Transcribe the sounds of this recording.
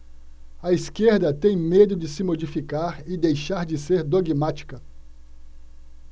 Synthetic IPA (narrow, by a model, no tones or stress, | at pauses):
ɐiskeɾd̪ɐt̪ẽj̃med̪ʊd͡ʒɪsɪmod͡ʒifikaɾɪd̪ejʃaɾd͡ʒɪseɾd̪oɡmat͡ʃi̥kɐ